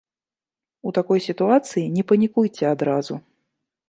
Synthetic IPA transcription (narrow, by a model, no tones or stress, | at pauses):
ut̪akɔjsʲit̪uat̪sɨjinʲɛpɐnʲikujt͡sʲɛad̪ɾazu